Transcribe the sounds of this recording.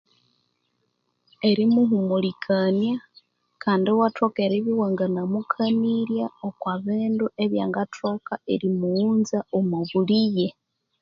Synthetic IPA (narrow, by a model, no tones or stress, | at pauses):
eɾimuɦumulikʰanja | kʰaːndiowatokeɾiβiwaŋɡanamukʰaniɾjaokwaβeːnduʔeβjaːŋɡatʰokaeɾimuuːnzaomoβulije